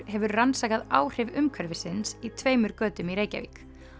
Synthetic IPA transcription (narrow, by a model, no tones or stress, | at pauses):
ɦɛvʏɾransaːkaðaːwr̥ɪvʏmkʰœɾvɪsɪnsit̪ʰveːjmʏɾkœːt̪ʏmiɾeːjca̰vḭːk